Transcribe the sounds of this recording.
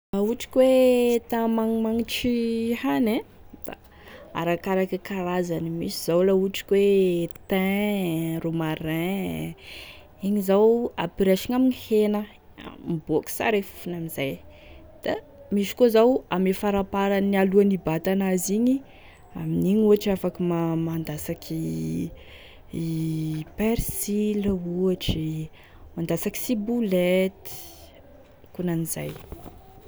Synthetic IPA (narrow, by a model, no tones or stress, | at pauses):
lauʈ͡ʂi̥kwet̪amaŋmaŋiʈ͡ʂihanẽ | d̪̥a̰ | a̰ɾakaɾakikaɾazanimḭsiz̥awlauʈ͡ʂi̥kwet̪ɛ̃rumarɛ̃ | iɲizawapiɾaʃiŋamiɲihenə̰ | miboki̥sa̰ɾeffunamizaj | d̪̥a | miʃi̥kozawamefaɾapaɾanialuanibat̪anaziɲi | aminiɲuaʈ͡ʂiafakimamand̪asakʰi | peɾsiləuaʈ͡ʂi | mand̪asaki̥sibulet̪i̥ | kunaniza̰j